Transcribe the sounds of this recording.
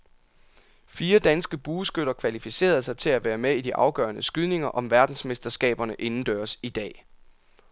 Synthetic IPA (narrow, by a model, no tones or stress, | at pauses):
fiːɐd̥ænsɡ̥əb̥uːsɡ̥øɾ̥ɐkʰʋælifise̝̰ːɐð̞̩ˠsɑ̈ɪt͡sʰe̝læʋæːɐmeidiʔɑ̈ʊɡ̥ɶ̰ːɐnəsɡ̥yð̞ˠne̝ŋɐʔɒ̽mʋæɐd̥n̩sme̝sd̥ɐsɡ̥ɛ̰ːb̥ɐnəʔe̝nn̩d̥øːɐsid̥ɛ̰ː